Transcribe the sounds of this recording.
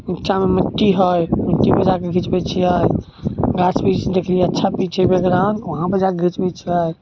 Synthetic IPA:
itːt͡ʃʰameməʈːiɦojməʈːibəd͡ʒakeɡʱit͡ʃbɛt͡ʃʰiəj | ɡasbit͡ʃd̪ekʰlijeətːt͡ʃʰapit͡ʃʰebeɡɾanʋəɦãbəd͡ʒakeɡʱit͡ʃbɛt͡ʃʰiaj

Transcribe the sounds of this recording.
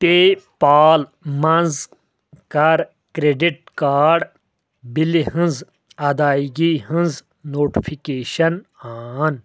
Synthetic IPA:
peːpaːlmɐnz | kɐɾ | kɾeːɖiʈ̚kaːɖ | biliɦĩnz | ɐd̪aːiɡiɦĩnz | noːʈifʰikeːɕɐnaːn

